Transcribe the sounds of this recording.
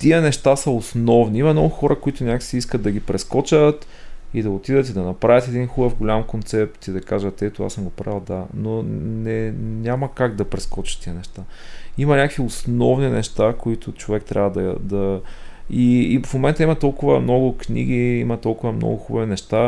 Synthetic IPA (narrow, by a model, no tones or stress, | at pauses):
t̪iənɛʃt̪asɐʊsnɔvniimɐmnɔɡʊxɔɾəkoit̪ʊnʲakksiiskət̪ːɐɡipɾɛskɔt͡ʃət̪ | id̪ɐot̪id̪ət̪id̪ɐnɐpɾavʲət̪ɛd̪inxubəfɡolʲamkont̪sɛp̚t̪id̪ɐkaʒət̪ɛt̪oa̰səmɡopɾavilˠd̪anonɛɲʲamɐkaɡd̪ɐpɾɛskɔt͡ʃɐ̥tt̪ːiənɛʃt̪aimɐnʲakviosnɔvninɛʃt̪akoit̪ʊt͡ʃovɛk̚t̪ɾʲʔabvəd̪ɐd̪ɐ | ifmomɛnt̪əimɐt̪ɔlˠkʊvə̰mnɔɡʊknḭɡ̟iimɐt̪ɔlˠkʊvɐmnɔ̰ɡʊxubɐvinɛʃt̪a